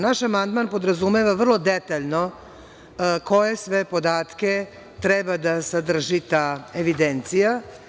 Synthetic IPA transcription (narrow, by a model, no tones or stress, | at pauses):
naʃamand̪maːnpo̞d̪ɾazumeʋaʋr̩lˠo̞d̪et̪aʎʲno | ko̞je̞sʋe̞po̞d̪aːt̪ke | t̪ɾɛebad̪asad̪r̩ʒit̪aeʋid̪ent̪sija